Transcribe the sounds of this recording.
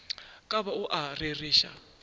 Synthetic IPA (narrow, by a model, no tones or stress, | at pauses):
kʼaβauʔaririːʃa̰